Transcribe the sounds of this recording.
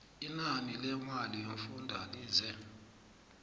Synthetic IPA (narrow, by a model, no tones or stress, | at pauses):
inanilɛŋwalieɱfundʱa̰liːzɛ